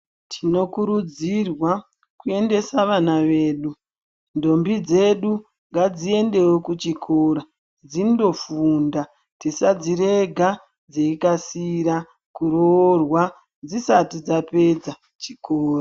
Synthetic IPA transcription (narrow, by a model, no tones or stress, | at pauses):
tʰino̞kuɾud͡zirwa | kue̞nde̞saʋanaʋe̞ːɗu | ndo̞mbid͡ze̞ɗu | ŋɡad͡zie̞nde̞wokut͡ʃikʰora | d͡zindo̞funda | tisad͡ziɾe̞ɡʱa | d͡zeikasiɾa | kuɾoːrwa | d͡zisatid͡zape̞d͡za | t͡ʃikoːra